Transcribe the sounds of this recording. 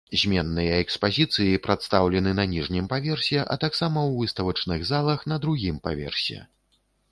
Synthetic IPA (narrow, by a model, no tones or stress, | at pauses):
zʲmʲɛnːɨjɐɛkspazʲit̪sɨjipɾat̪st̪awlʲɛnɨnɐnʲiʐnʲimpavʲɛrsʲɛʔɐ̰t̪aksamɐwvɨst̪ɐvɐt͡ʂnɨɣzalˠɐxn̪ɐd̪ɾuɣʲimpa̰vʲɛ̰rsʲɛ̰